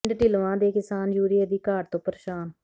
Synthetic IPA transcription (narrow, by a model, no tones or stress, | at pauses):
ɖʈɪlʋãːd̪eːkɪsaːnd͡ʒuːɾɪeːd̪iːkaːʈ̚t̪õːpəɾʃaːn